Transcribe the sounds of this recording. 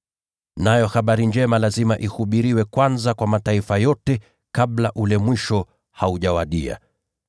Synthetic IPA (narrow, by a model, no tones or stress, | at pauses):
najɔxaɓaɾind͡ʒɛmalazimaʔihuɓiɾiwɛkwanzakwamataifajɔtɛ | kaɓlaʔulɛmwiʃɔ | hauʄawaɗia̰